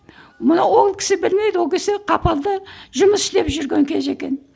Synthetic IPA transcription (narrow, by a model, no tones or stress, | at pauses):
mənɑwo̞lˠkʲɪ̥sɪbɪlme̞jd̪ɪwokʲʰesɪqʰɑpɑlˠd̪əʒʊməsʃt̪e̞pʒʏɾɡʲe̞ŋkʲʰe̞ze̞kʲe̞n